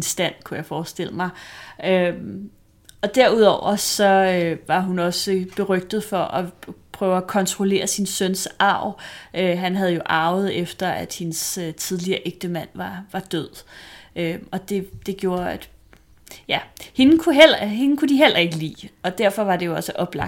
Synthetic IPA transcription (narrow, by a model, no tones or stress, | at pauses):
nsd̥æn̰kʰujɑ̈ɪfɒːsd̥e̝l̰əmɑ̈ɪøm | ɒ̽d̥æɐ̰uðˠɒʊ̰ɐsɒ̽øʋɑ̈ɦunɒ̽səb̥e̝ʁœɡ̥̚d̥ð̩ˠfɒ̽ʔɒpʰʁœːʊækʰɒ̽nt͡sʰʁole̝̰ːɐsinsønsɑ̈ʊ̰ʔøɦænɦæð̞ˠjo̝ʔɑ̈ʊð̞̩ˠefd̥ɐæd̥hensøt͡sʰið̞ˠliɐːʔeɡ̥̚d̥əmæn̰ʋɑ̈ʋɑ̈d̥øð̰ˠøɒ̽d̥e̝d̥e̝ɡ̥jo̝ːɐæd̥ | jæhe̝nn̩kʰuɦel̰ɐɦe̝nn̩kʰud̥iɦel̰ʔɐe̝ɡ̥əlḭːɒ̽d̥æɐfɒ̽ʋɑ̈d̥e̝jo̝ɒ̽səʔɒ̽b̥lɑ̈